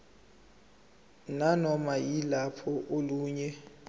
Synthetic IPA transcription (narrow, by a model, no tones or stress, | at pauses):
nanɔmajilapʰɔʔoluːɲɛ